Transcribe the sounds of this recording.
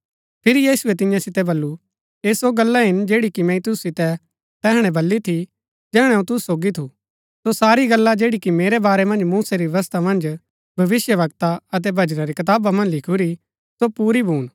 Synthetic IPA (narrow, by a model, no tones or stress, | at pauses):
pʰɪɾijiːsuɛt̪̬ɪ̃jãsɪt̪ɛbɐlːu | eːsoɡɐlːaɦɪnd͡ʒeːɽikimɛ̃ĩt̪ʊssɪt̪ɛ | t̪ɛːɦɽ̃ɛ̃bɐlːit̪ʰi | d͡ʒɛːɽ̃ɛũt̪ʊssːoːɡit̪ʰu | sosaːɾiɡɐlːad͡ʒeːɽikimeːɾɛbaːɾɛmɐ̃nd͡ʒmuːsaɾiʋɐʋɐst̪ʰamɐ̃nd͡ʒ | bʱɐʋɪsjəʋɐɡt̪aɐt̪̬ɛbʱɐd͡ʒnãɾikɐt̪aːbamɐ̃nd͡ʒlɪkʰuɾi | sopuːɾibʱuːɽ̃